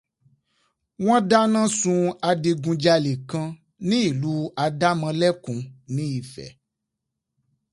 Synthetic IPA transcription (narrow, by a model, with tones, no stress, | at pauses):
w̃ɔ̃˦da˦nã˦sũ˧a˧de˧ɡũ˧d͡ʒa˧le˨kã˧ | nĩ˦i˦˨lu˨˦a˧da˦mã˧lɛ˦kũ˨nĩ˨˦i˨˧fɛ̰˨